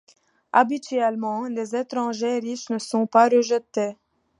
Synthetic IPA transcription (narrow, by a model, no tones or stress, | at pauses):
abit̪ɥɛlmɑ̃lezet̪χɑ̃ʒeʁiʃnəsɔ̃paʁəʒət̪e